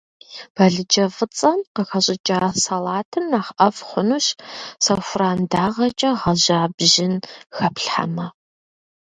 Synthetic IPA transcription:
b̥ɐɮɨd͡ʒɐfɨt͡sʼɐmqəxɐɕʼɪt͡ʃʼaːsalaːtʰɨnːaːχɐfχʷʊnuːɕsɐwfraːmdaːʁɐt͡ʃʼɐʁɐʑaːbʒɪnxɐpɬħa̰mɐ

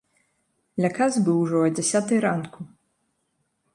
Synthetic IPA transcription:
lʲakazbɨwʐɔd͡zʲɛsʲat̪ɨjɾanku

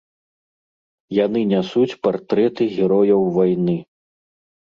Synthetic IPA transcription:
janɨnʲasut͡sʲpart̪ɾɛt̪ɨɣʲɛɾɔjɐwvajnɨ

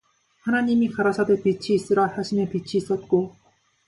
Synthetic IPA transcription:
hanaɲimikaɾasʰadepit͡ɕʰiːs͈ɯɾasjaɕʰinepit͡ɕʰiːs͈ʌt̚k͈o

